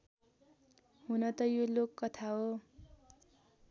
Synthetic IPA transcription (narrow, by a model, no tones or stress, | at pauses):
ɦunʌt̪ʌjolokːʌt̪ʰaɦo